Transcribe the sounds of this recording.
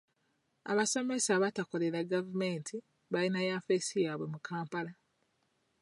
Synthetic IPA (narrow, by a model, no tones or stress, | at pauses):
a̰βaseme̞saβatako̞le̞ɾaɡavume̞ːntʰi | βalinajafesijaːβwe̞mukʰaːmpala